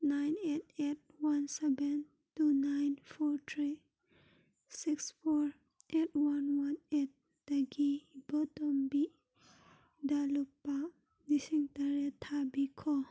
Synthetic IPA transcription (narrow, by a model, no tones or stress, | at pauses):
najnet̚et̚wansɛbɛn | tunajnfɔɹt̪ʰɹi | siksfɔɹ | et̚wanwanet̚ | d̥əɡibɔtɔmbi | dalupːa | nisiŋtaɾet̪ʰabikʰɔ